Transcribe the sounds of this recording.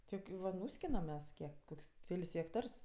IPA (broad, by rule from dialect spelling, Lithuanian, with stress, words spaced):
ˈtʲiɛk ˈʋɐ ˈnuːsʲkʲɪnɐm ˈmʲɛs ˈkʲiɛk ˈkoːkʲsʲ ˈkʲɛlʲsʲ ɣʲɛkˈtɐrs